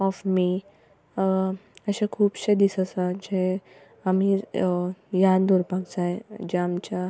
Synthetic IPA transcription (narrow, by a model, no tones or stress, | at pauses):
ɔfmi | əɕẽkʰuːpɕed̪isəsad͡ʑe | ami | jad̪uɾpaɡt͡sajd͡ʑeamt͡ɕa